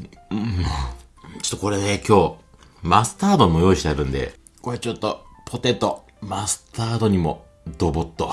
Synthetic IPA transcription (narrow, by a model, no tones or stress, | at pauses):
ɯ̃ | t͡ɕo̥t̪ːko̞ɾe̞nekʲo̞ː | masɨ̥t̪aːd̪o̞ɲimo̞jo̞ːiɕi̥t̪eaɾɯ̟̃nd̪e̞̰ | koɾet͡ɕot̪ːopʰot̪e̞t̪ːo | masɨ̥t̪aːd̪o̞ɲ̟imo̞ | d̪obot̪ːo